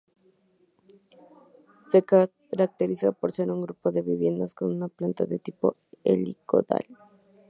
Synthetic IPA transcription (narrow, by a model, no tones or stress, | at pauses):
se̞ka | ɾak̚t̪eɾisapoɾseɾuŋɡɾupo̞ðe̞βiβje̞nd̪asko̞nunaplant̪aðet̪ipo̞ | ḛlḭko̰ða̰l